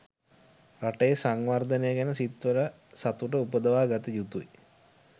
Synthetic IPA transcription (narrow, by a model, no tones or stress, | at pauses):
raʈejesaŋʋard̪ənejəɡænəsit̪ʋələ | sat̪uʈəupəd̪əʋaːɡat̪əjut̪ui